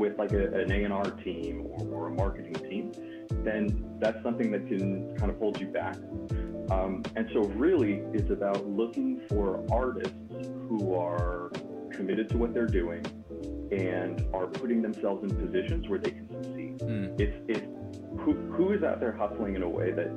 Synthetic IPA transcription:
wɪðlaɪkɨʔɨ̃neɪɨ̃ñɑɹtʰĩmə̰˞ə˞əmɑɹkɨɾɪ̃ŋtʰĩm | ðɨ̃nðætsʌ̃mθɪ̃ŋðɨt̚kʰɨ̃nkʰãɪ̃nʌvhoʊlˠd͡ʒjɨbæ̰k̚ | ʌ̃mɨ̃nsoʊɹɪlˠiɪtsɨbaʊtˡlʊkɪ̃ŋfə˞ʔɑɹɾɨ̰stshuə˞ | kʰɨmɪɾɨd̚tʰəwʌt̪̚ðə˞dʉɪ̃ŋ | ɨ̃nə˞pʰʊɾɪ̃ŋðɨ̃msɛlˠvzɨ̃npʰɨzɪʃɨ̃nzwə˞ðeɪkʰn̩sɨsi̥ɪsɪf | huhuɨzaʊt̪̚ðə˞hʌsl̩ˠɪ̃ŋɨ̃ñəwḛɪðɨt̚

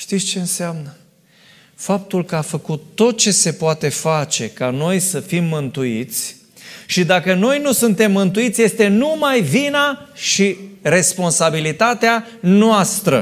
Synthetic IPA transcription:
ʃt̪it̪sʲt͡ʃe̞ɨnseamnə | fap̚t̪ulkəafəkut̪ːo̞t̪̚t͡ʃe̞se̞poat̪e̞fat͡ʃe̞kano̞jsəfimːɨnt̪uit̪sʲ | ʃid̪akəno̞jnusunt̪e̞mːɨnt̪uit̪sʲje̞st̪e̞numajvinaʃire̞spo̞nsabilit̪at̪ea | noast̪ɾə̰

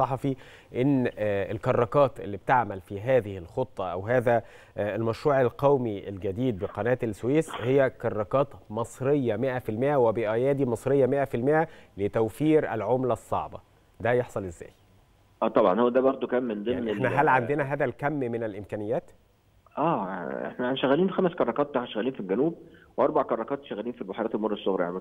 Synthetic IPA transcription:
sˤɑħɑfiʔenːelkɑrˤːɑkɑːt̪ʔḛlːib̚t̪aʕmælfiɦæːðɪhɪlxot̪ˤːɑʔæ̰wɦæːðæ | elmæʃɾuːʕelqɑwmiʔḛlɡæd̪iːd̪̚beqɑnæːt̪elswiːshejːækɑrˤːɑkɑːt̪mɑsˤɾejːɑmeʔæfilmeʔæwebeʔæjæːd̪imɑsˤɾejːɑmeʔæfilmeʔælet̪æwfiːɾʔæ̰lʕomlæsˤːɑ̰ʕbɑ̰ | d̪æjeħsˤɑlezːæ̰ːj | ʔæːt̪ˤɑbʕɑ̰nhowæd̪æbɑɾˤd̪ˤokæmːend̪enenæɦælʕand̪enæɦæːd̪ælkæmːmenælʔɪmkæːnɪjːæːt̪ | ʔæːḛħnænæʃæɣːæliːnxæmæskɑrˤːɑkɑːt̪t̪aħnæʃæɣːæliːnfilɡænuːb̚weʔɑɾˤbaʕkɑɾˤːɑkɑːt̪ʃæɣːæliːnfilbɑħɑɾˤɑːt̪elmɑrˤːesˤːoɣɾɑ̰jaʕnib

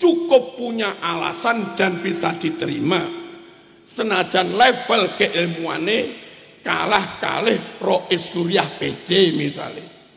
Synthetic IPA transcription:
t͡ʃukʊpːuɲaʔala̰sand̪̥a̤nbisad̪̥i̤t̪əɾima | sənad̥ʒ̥a̤nlɛfəlkeʔɪlmua̰ne | ka̰lahka̰lɪhrɔʔɪsuɾijahb̥e̥d͡ʒ̥emisa̰le

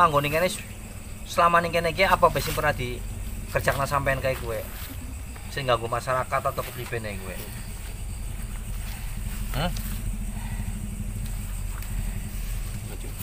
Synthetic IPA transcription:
paŋɡoniŋkene | səlamaniŋkenek̬eapabesɪŋpəɾnad̪̥ikərd̥ʒ̥ak̚nasampaankaikuwe | sɪŋɡaŋɡomasaɾakat̪at̪owkəplib̥e̤nekuwḛ | h̩

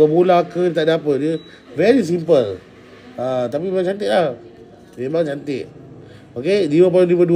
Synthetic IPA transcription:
əmulakəit̪aʔdapət̪̚diə | vɛɾis̬impəl | at̪apimeaŋt͡ʃant̪ɪʔlah | memãŋt͡ʃant̪ɪt̪̚ | okediwəp̬alulibədu

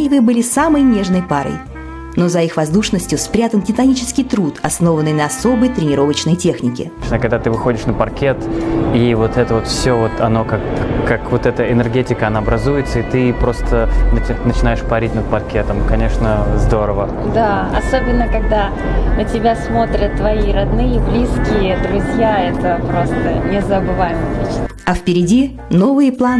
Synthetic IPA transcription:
vɨbɨlʲɪsaməjnʲe̞ʐnəjpaɾə̰j | no̞zɐixvɐzd̪uʂnəsʲtʲjʊspɾʲat̪əntʲɪt̪ɐnʲit͡ɕɪ̥skʲɪjt̪ɾut̪ɐsno̞vənːɨjnɐɐso̞bəjt̪ɾʲɪnʲɪɾo̞vət͡ɕnəjtʲe̞xnʲɪkʲɪ̰ | nakɐɡ̚d̪at̪ɨvɨxo̞dʲɪʂnəpɐrkʲet̪ivo̞t̪ɛt̪əvo̞t̪fsʲovo̞t̪ʰɐno̞kakːakvo̞t̪ɛt̪əɪnɨrɡʲetʲɪkəɐnaɐbɾʔɐzujɪt̪səit̪ɨpɾo̞st̪ənnət͡ɕɪnajɪʂpɐɾʲit̚ʲnəd̪̚pɐrkʲet̪əmkɐnʲe̞ʂnəzd̪o̞ɾəvə | d̪aɐ̰sobʲɪnːəkɐɡd̪a | nətʲɪbʲasmo̞t̪ɾʲət̪ːvɐiɾɐd̪nɨjəblʲiskʲɪjəd̪ɾʊzʲjaɛt̪əpɾo̞st̪ənʲɪzəbɨvajɪmɐtʲit͡ɕnɐfpʲɪɾʲɪdʲi | no̞vɨjplˠa

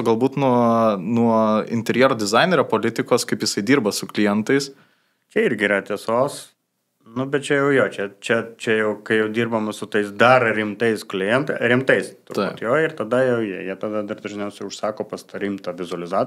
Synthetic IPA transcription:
ɡɐlˠbuːt̪nuɔnuɔɪ̰nʲt̪ʲɛɾʲjɛːɾoːd̪ʲɪzɑɪnʲeɾʲopoːlʲɪt̪ʲɪkoːskɐɪpjɪsɐɪd̪ʲiːrbɐsʊklʲɪjɛnt̪ɐɪs | t͡ʃʲɛɪɾʲɡʲɪiːɾɐt̪ʲeːsoːs | nʊbʲɛt̪̚t͡ʃʲɛjɛʊjoːt͡ʃʲɛt͡ʃʲɛt͡ʃʲɛjɛʊkɐɪjɛʊd̪ʲiːrbɐmɐsʊt̪ɐɪsd̪ɐɾɾʲɪmt̪ɐɪsklʲɪjɛnt̪ɐɾʲɪmt̪ɐɪst̪ʊt̪ɪ̰ːpt̪joːɪrt̪ɐd̪ɐjɛʊjiɛjiɛt̪ɐd̪ɐd̪ɐrd̪ɐʒʲnʲɛʊsʲɛʊʃsɑːkoːpɐst̪ɐɾʲɪmt̪ɐʋʲɪzʊɐlʲɪzɑː

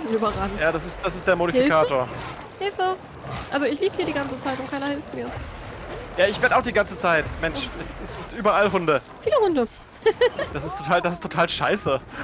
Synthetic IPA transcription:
nyːbɐʁaːɡŋ̩jaːdasɪst̚d̥asɪstd̥eːɐmoɾihfilkʰaːtoːɐ | hɪlfə | ʔalzoɪçliːbəhiɐɾiːɡant͡sət͡saɪtʊntkʰaɪnɐhɪlftmiːɐ | jaːɪçv̥eːɐdaʊxd̥iːɡant͡sət͡saɪtmɛnʃʔɛsɪsz̥ɪntʔyːbɐalɦʊndə | fiːləhʊndə | d̥asɪstʰːotʰaːldasɪstʰːotʰaːlʃaɪsə

